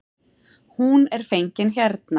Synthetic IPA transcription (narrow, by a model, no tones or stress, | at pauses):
hunɛɾ̥fejɲcɪnçɛɾt̪̚na